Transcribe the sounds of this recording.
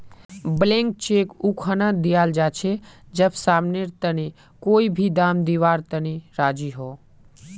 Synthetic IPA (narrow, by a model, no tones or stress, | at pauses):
blẽːŋk̚t͡ʃeːkukʰənãd̪ijaːld͡ʒaːt͡ʃʰe | d͡ʒəbsaːmneɾt̪əne | koːibʱid̪aːmd̪iːʋaːɾt̪əniɾaːd͡ʒiɦoː